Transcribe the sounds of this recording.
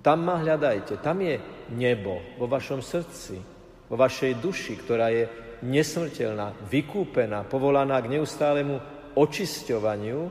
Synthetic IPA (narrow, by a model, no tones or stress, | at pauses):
t̪amːaɦʎad̪ajcɛt̪amjɛɲɛbɔ̰ʋɔʋaʃɔmsr̩t͡sḭ | ʋɔʋaʃɛjd̪uʃikt̪ɔɾaːjɛ | ɲɛsmr̩cɛʎnaːʋikuːpɛnaːpɔʋɔlanaːɡɲɛust̪aːlɛmu | ɔt͡ʃiscɔʋaɲɪu